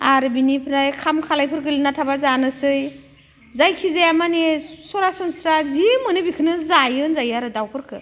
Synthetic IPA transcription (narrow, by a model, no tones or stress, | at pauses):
aɾɯbinipʰɾajkʰamkʰalajpʰɯɾɡɯlinatʰabazanɯsɯj | zajkʰizajamanesɔɾasɔnsɾazimɯnɯbikʰɯnɯzajɯnzajaɾɯdawpʰɯɾkʰɯ